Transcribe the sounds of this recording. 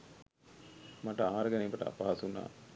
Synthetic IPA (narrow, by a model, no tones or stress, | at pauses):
maʈəaːɾəɡɐneːbɐʈə̰a̰paɦasuna̰ː